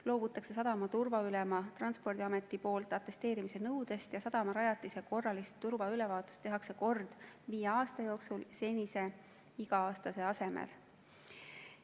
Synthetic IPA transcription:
lo̞ːb̥ut̪ːˑɑkse̞s̬ɑd̪ɑmɑt̪urvɑylɛmɑt̪rɑnspo̞rd̪iɑme̞t̪ːˑipo̞ːlt̪ːˑɑt̪ːˑe̞st̪e̞ːɾimise̞nɤwd̪̥e̞st̪jɑsɑd̪̥ɑmɑɾɑjɑt̪ːˑise̞ko̞rːɑlist̪ːurvɑylevɑːt̪ˑu̥st̪ːe̞ɦɑkse̞ko̞rd̪̥viːjeɑːst̪ɑjo̞ːksulse̞nʲise̞ | iɡɑɑːst̪ɑse̞ɑse̞mḛl

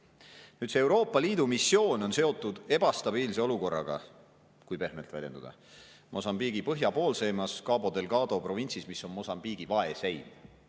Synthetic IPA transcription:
nyːd̪seewɾo̞ːpːˑɑliːd̪umisːjo̞ːno̞nse̞o̞t̪ːˑud̪̥e̞b̥ɑst̪ɑb̥iːlse̞o̞luko̞rːɑ̰ɡ̥ɑ̰ | kujpe̞hme̞lt̪vælʲje̞nd̪̥ud̪̥ɑ̰ | mʔo̞sɑmbiːɡ̥ipɤɦjɑpo̞ːlse̞ːmɑskɑːbo̞d̪e̞lɡɑːd̪̥o̞pro̞vinʲsismisːo̞nmo̞sɑmb̥iːɡ̥ivɑe̞se̞jn

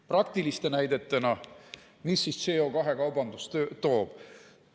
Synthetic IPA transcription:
prɑk̚t̪ilist̪e̞næjd̪e̞t̪ːˑenɑ | misːisseokɑɦe̞kɑwbɑnd̪̥ust̪øt̪o̞ːb̥

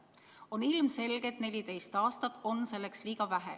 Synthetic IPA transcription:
o̞nilmse̞lɡ̥et̪ne̞lʲit̪e̞jst̪ɑːst̪ɑt̪ˑo̞nːse̞lːe̞ksliːɡ̥ɑvæɦḛ

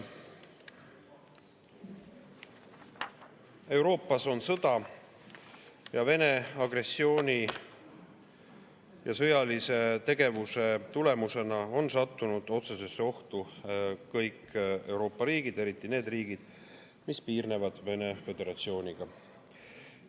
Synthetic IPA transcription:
e̞wɾo̞ːpːˑɑso̞nsɤd̪̥ɑ | jɑve̞ne̞ɑɡre̞sːio̞ːnʲi | jɑsɤjɑlise̞t̪e̞ɡ̥e̞vuse̞t̪ule̞muse̞nɑo̞nsɑt̪ːunud̪̥o̞t̪se̞se̞sːeo̞ht̪ukɤjke̞wɾo̞ːpːɑɾiːɡ̥id̪e̞ɾit̪ˑːine̞ːd̪riːɡ̥id̪̥ | mispiːrne̞vɑd̪̥ve̞ne̞fe̞d̪e̞ɾɑt̪sio̞ːnʲiɡ̥ɑ

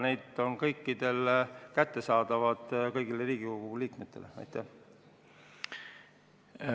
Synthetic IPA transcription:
ne̞jd̪o̞nkɤjkːid̪̥e̞lkæt̪ːe̞sɑːd̪̥ɑvɑd̪̥kɤjɡ̥ileriːɡ̥iko̞ɡ̥uliːkmet̪ːˑe̞leɑ̰jt̪ːˑæh

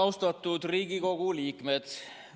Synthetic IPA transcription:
ɑwst̪ɑt̪ːˑud̪̥riːɡiko̞ɡ̥uliːkmed̪̥

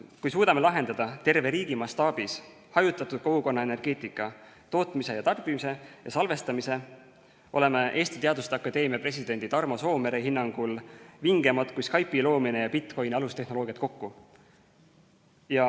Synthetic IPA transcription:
kujsuːd̪ɑme̞lɑɦe̞nd̪ɑd̪ɑt̪e̞rve̞ɾiːɡimɑst̪ɑːb̥is | hɑjut̪ːˑɑt̪ːˑud̪̥ko̞ɡ̥uko̞nːɑe̞ne̞rɡ̥e̞ːt̪ˑikːˑɑ | t̪o̞ːt̪mise̞jɑt̪ɑrb̥imise̞jɑ̰sɑlve̞st̪ɑmise̞ | o̞̰le̞meʔe̞ːst̪i̥t̪eɑd̪ust̪ɑkːˑɑd̪e̞ːmiɑpre̞s̬ʲid̪e̞nd̪it̪ɑrmo̞so̞ːme̞ɾeɦinːɑŋɡ̥ulviŋɡ̥emɑd̪̥kujskɑjpːilo̞ːmine̞jɑpit̪ːˑko̞jniɑlust̪e̞ɦno̞lo̞ːɡijɑt̪̚ko̞kːu | jɑ

